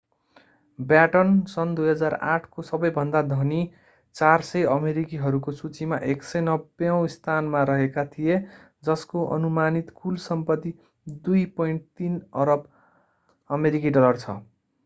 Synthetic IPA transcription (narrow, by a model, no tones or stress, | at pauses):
bjaʈʌnsʌnd̪ujɦʌd͡zara̰ʈʰkosʌbʌjbʱʌnd̪ad̪ʱʌni | t͡sarsʌjʌmeɾikiɦʌɾukosut͡simaʔeksʌjnʌbjʌ̃w̃st̪ʰanmaɾʌɦekat̪ʰije | d͡zʌskoʔʌ̰numanit̪kʰulsʌmpʌt̪ːi | d̪ujpʌiɳʈ̚t̪inʌɾʌb | ʌmeɾik̬iɖʌlʌrt͡sʰʌ̰